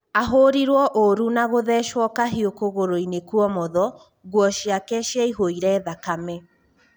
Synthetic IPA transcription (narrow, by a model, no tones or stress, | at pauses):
aɦoɾiɾwɔʔoɾunaɣoðɛʃwɔkaɦiokoɣoɾoinekuɔmɔðɔ | ɣwɔʃjakɛʃjaiɦoiɾɛːðakamɛ